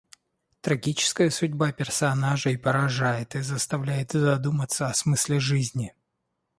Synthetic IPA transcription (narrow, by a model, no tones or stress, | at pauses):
t̪ɾɐɡʲit͡ɕɪ̥skəjəsʊdʲbapʲɪrsɐnaʐɨipəɾɐʐajɪt̪ɨzəst̪ɐvlʲæjɪt̪zɐd̪umət̪səɐsmɨsʲlʲɪʐɨzʲnʲɪ